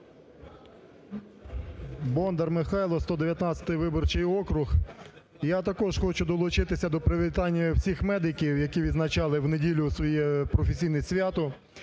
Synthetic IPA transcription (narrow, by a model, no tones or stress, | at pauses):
bɔnd̪ɐrmɪxɑjlˠɔst̪ɔd̪eʋjɐt̪nɑtt͡sʲsʲɐ̥t̪ɪjʋɪbɔrt͡ʃɪjɔkɾʊx | jat̪ɐkɔʒxɔt͡ʃʊd̪ɔlˠʊt͡ʃɪt̪ɪsʲɐd̪ɔpɾɪʋʲit̪ɑnʲːɐwsʲixmɛd̪ɪkʲiwjɐkʲiʋʲid̪znɐt͡ʃɑlˠɪwnedʲilʲʊsʋɔjɛpɾɔfesʲijnɪsʲʋʲjat̪ʊ